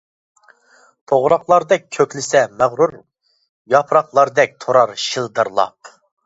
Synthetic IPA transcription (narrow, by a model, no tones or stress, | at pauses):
t̪ʰoʁɾɑχlˠɑɾd̪ɛk̚ʲʰːøkʲlɪsɛmæʁɾuɾ | jɑpʰɾɑχlˠɑɾd̪ɛk̚ʲt̪ʰoɾɑɾʃilˠd̪ɨɾlˠɑ̰p